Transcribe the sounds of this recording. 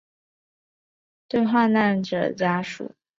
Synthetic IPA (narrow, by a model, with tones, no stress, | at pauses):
t̪we˥˧ɪxwa˥˧na˥˩nʈ͡ʂə̰˨˩t͡ɕja˥ʂṵ˨˩˦